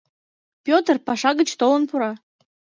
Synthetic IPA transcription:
pʲot̪ərpɑʃɑɣət͡ɕt̪olənpuɾɑ

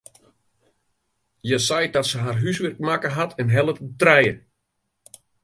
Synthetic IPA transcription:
jəsɛjdɔtsəɦarɦysʋɪrk̚makəɦatʰɛnɦɛlˠətətrɛjə

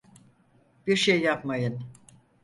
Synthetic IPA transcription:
b̥iɾʃejːapmajɯn

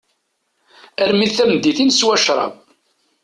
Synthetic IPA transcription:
æɾmiðθæmd̪iθinswæʃɾˤɑ̰b

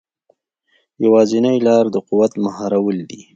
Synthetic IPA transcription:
jawɑzɪnajlɑɾd̪əquwat̪mahɑɾawəld̪i

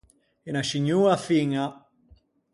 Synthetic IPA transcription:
enat͡ʃiɲːuːafiŋa

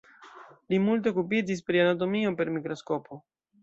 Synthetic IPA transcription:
limult̬e̞ok̬upid͡ʒis̬pɾianat̬omiope̞ɾmikɾo̞skopʰo

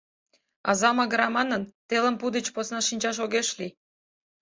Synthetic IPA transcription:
ɑ̰zɑmɑɣɾɑmɑnə̆nt̪elə̆mpud̪ət͡ɕposnɑʃinʲt͡ɕɑʃ̬oɣeʃli

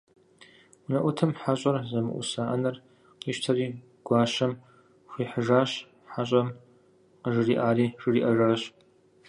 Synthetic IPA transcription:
ʊnɐʔʷʊtʰɐmħaɕʼɐrzɐmɨ̰ʔʷʊ̰saːʔɐnɐr | qiʃtʰɐɾiː | ɡ̥ʷaːɕɐm | xʷiːħəʐaːɕ | ħaɕʼɐm | qəʐɨriːʔaːɾiːʐ̥ɨriːʔɐʒaːɕ

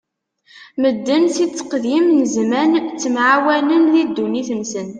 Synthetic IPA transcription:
məd̪ːənsit͡sːə̥qðimnəzmænt͡sːəmʕawælənðid̪ːuniθənsən

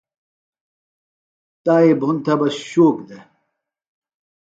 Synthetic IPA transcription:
t̪aːibʱunt̪ʰɐbɐsɕoːkd̪e

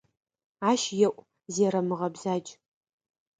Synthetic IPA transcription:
aːʃjɛʔʷʼ | zeːɾɐmɨʁɐbzaːd͡ʒʼ

